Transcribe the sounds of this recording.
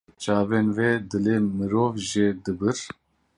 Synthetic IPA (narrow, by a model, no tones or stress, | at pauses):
t͡ʃaːvɛnved̪ɨlemɨɾoːvʒed̪ɨbɨɾ